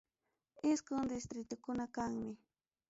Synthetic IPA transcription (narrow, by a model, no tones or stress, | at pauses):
ɪskʊŋd̪ɪst̪ɾɪt̪ʊkʊnakaŋmɪ